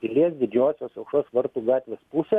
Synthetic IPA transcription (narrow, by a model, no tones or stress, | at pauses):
t̪ʲɪlʲiɛsd̪ʲɪd͡ʒʲoːsʲoːsɐʊkʃoːsʋɐɾt̪uːɡɑːt̪ʲʋʲeːspuːsʲɛ